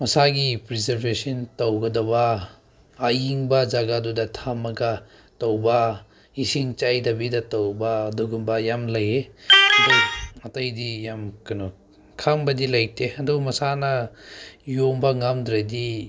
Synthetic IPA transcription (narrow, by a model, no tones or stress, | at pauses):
mɐsaɡipɾizeɾbesintɐwɡɐdɐbɐː | jiŋbɐzaɡadudɐtʰamːɐɡɐ | tɐwbɐ | isiŋt͡ʃajdɐbidɐtɐwbɐːduɡumbɐjamlɐjeɐduwɐtɐjdijamkɐnɔ | kʰaŋbɐdilɐjtʰeɐdumɐsanɐ | jombɐŋamdɾadi